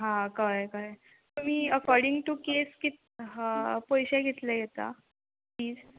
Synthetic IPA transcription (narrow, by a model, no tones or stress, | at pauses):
ɦãkajkaj | miːəkɔɾɖĩŋɡʈukeskit̪ | pəjɕɛɡʱet̪lajet̪a̰ | pliːd͡z